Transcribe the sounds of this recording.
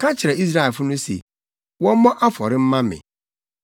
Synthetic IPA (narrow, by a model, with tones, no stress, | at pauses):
kʰa˦t͡ɕʰɪ˨ɾɛ˨i˦s̬ɾa˦˨lfʊ˦nʊ̃˦sḛ˨ | wɔ̃˦mɔ̃˦ʔa˦fɔ˨ɾɪ˦m̩˦mã˦mɪ̰̃˨